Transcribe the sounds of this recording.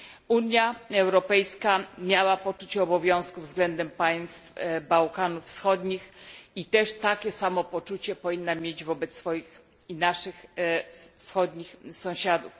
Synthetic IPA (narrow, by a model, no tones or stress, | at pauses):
uɲjaɛwɾɔpɛjskamʲjawapɔt͡ʂut͡ɕɛɔbɔvʲjɔ̃w̃skuvzɡlɛnd̪ɛmpaj̃st̪fbawkanufːsxɔd̪ɲixit̪ɛʂt̪akʲɛsamɔpɔt͡ʂut͡ɕɛpɔvʲinːamʲjed͡ʑvɔbɛt̪ssfɔjix | inaʂɘx | fsxɔd̪ɲixsɔ̃w̃ɕad̪uf